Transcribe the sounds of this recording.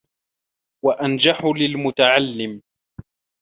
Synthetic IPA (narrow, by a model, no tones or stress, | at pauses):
waʔand͡ʒaħʊlɪlmʊt̪aʕalːɪm